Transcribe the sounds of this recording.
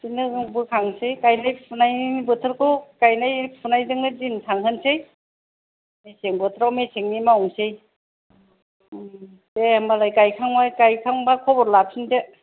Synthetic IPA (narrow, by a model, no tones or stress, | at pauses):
sinɯbɯkʰaŋsejkajnajpʰunajibɯtʰɯɾkʰɯwkajnajpʰunajdɯŋnɯdintʰaŋɦɯnsej | meseŋbɯtʰɾawmeseŋnimawŋsej | temalajkajkʰaŋmajkajkʰaŋbakʰɔbɔɾlap̚sinde